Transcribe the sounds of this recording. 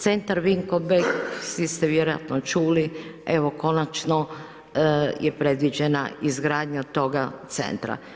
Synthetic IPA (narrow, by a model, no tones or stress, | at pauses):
t̪se̞nt̪aɾʋiŋkobeɡsʋist̪eʋjeɾoja̰t̪not͡ʃuːlieʋoko̞nat͡ʃno | jʔepɾed̪ʋid͡ʑena̰izɡɾaːd̪ɲat̪o̞ɡat̪sḛnt̪ɾa̰